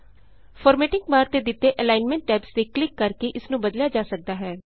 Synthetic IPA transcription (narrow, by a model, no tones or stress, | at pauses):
fʰɔːɾmɛːʈɪ̃ŋɡmaːɾt̪eːd̪ɪt̪ːeːʔɛlaːɪnmɛ̃ɳʈːɛːpsd̪eːklɪkːəɾkeʔɪsnũːbəd̪ljaːd͡ʒaːsək̚d̪aːɦɛː